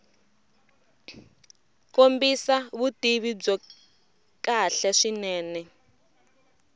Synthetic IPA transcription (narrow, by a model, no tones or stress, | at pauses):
kombisaβutiβib͡ʐɔ | kaɬaʂinɛːnɛ